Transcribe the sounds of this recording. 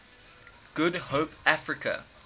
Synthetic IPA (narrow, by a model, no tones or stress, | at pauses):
ɡ̥ʊdhoːpafɹɪkʰə̰